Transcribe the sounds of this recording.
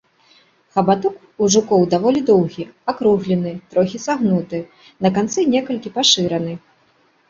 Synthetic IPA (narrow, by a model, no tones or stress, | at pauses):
xɐbat̪ɔk | uʐukɔwd̪avɔlʲid̪ɔwɣʲiakɾuɣlʲɛnɨt̪ɾɔxʲisaɣnut̪ɨ | nɐkant̪sɨnʲɛkɐlʲkʲipaʂɨɾɐnɨ